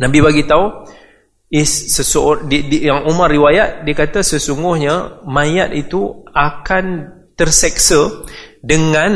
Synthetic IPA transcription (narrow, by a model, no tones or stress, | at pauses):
nãbiβaɡit̪au | issəsodidijaŋumarːiwajat̪̚diəkat̪asəsuŋɡʊhɲamãjat̪̚it̪uakant̪ərsɛksədəŋãn